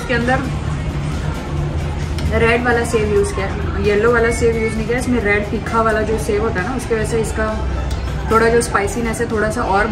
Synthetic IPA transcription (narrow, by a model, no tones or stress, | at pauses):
skeɐ̃nd̪əɾ | ɾɛːɖʋaːlaseːʋjuːzkeɛ | jɛlːoʋaːlaseːʋjuːznɐɦĩkːaɛɪsmẽɾɛːɖfiːkʰaʋaːlad͡ʒoːseːʋɦoːt̪aɦɛnaʊskeʋɛseɪska | t̪ʰoːɽad͡ʒoːspaːɪsĩːnɦɛːset̪ʰoːɽasaʔɔːɾ